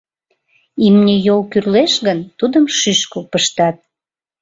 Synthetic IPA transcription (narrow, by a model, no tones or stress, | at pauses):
imnʲejolkyrleʃɣənt̪ud̪əmʃyʃkəlpəʃt̪ɑt̪̚